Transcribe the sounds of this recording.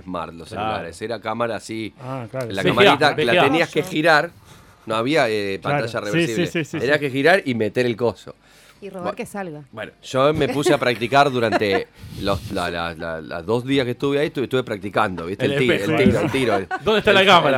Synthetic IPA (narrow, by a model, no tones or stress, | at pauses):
esma̰ɾt̪loselula̰ɾḛseɾakamaɾaːsiakalakamaaɾit̪aklat̪eniaskexiɾaɾ | noaβiaepant̪asʒareβsɾssiβesieniahkexiɾaɾime̞t̪eɾelko̞so̰ | iroβeɾkesalɣabwe̞̰no̰ʒ̥ome̞puseapɾak̚t̪ikaɾðuɾant̪eloslala̰sla̰la̰zðo̞zðiaskest̪uβeaiet̪uet̪uβe̞pɾak̚t̪ikand̪oβist̪elielt̪inoelt̪iɾod̪ondeht̪alakamaɾa